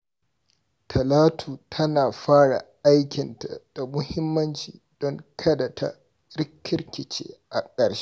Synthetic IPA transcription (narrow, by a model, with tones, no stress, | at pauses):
tʰɐ˨laː˦tʰuː˨tʰɐ˦naː˨ɸaː˦ɽa̰˨ʔa˦jkʲɪ˨nta˨d̥a˨mʊ˦hɪ˦mːɐ˦nt͡ʃiː˨d̥ɔ˦ŋkʰɐ˦da˨tʰa̰˦ | ɾɪ˦kʲʰːɪ˦rkʲɪ˨t͡ʃḛː˦ʔa˨kʼɐ˨ɽʃe̥˦ʔ